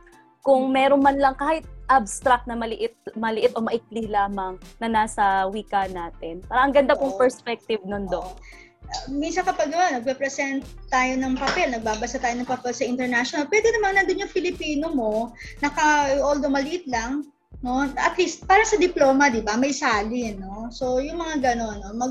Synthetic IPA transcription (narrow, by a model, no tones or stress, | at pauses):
kʊŋmɛːɾonmɐnlɐŋkaːhɪt̪̚ʔabst̪ɾɐk̚t̪̚nɐmɐlɪʔɪt̪̚mɐlɪʔɪt̪ʔomɐʔɪk̚lɪlaːmɐŋnɐnaːsɐwiːkɐnaːt̪ɛnpaːɾɐʔɐŋɡɐnd̪apoŋpɛɹspɛk̚t̪ɪvnond̪on | ʔɐminsɐnkɐpɐɡ̚ɐonɐɡ̚ɾɛpɾɛsɛnt̪̚t̪ːaːjo̞nɐŋpɐpɛlnɐɡ̚baːbɐsat̪aːjoɐŋpɐpɛlsɐʔɪnt̪ɛɹnaʃonalpwɛd̪ɛnɐmɐŋnɐnd̪onjʊŋfɪlɪpiːno̞mo̞nɐkɐʔold̪omɐlɪʔɪt̪̚lɐŋ | no̞ɐt̪list̪̚paːɾɐsɐd̪ɪplo̞ːmɐd̪ɪbamɐjsaːlɪnːo̞so̞jʊŋmɐŋaɡɐno̞nːomɐ